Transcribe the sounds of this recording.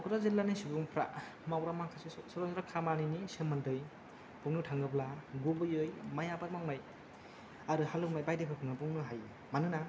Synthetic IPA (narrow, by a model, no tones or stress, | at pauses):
kʰɯɾazilːanɯjsibuŋpʰɾa̰ | mawɾamakʰasesɔɾɔŋzɾakʰamaninisemːandɯj | pʰuŋnɯtʰaŋɡɯblaɡubɯjɯjmajabaɾmawnaj | aɾɯhalɯnajbajdɯpʰapʰuŋnabuŋnɯɦaj | manɯna